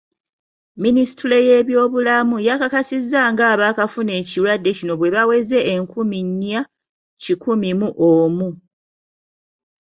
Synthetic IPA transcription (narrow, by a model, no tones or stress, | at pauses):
minisi̥tule̞je̞βjo̞ːβulamujakakasizːaŋɡaːβaːkafune̞ːciwadːe̞cino̞βwe̞βawe̞ze̞ʔːŋkʰumiɲːa | cikumimuʔoːmu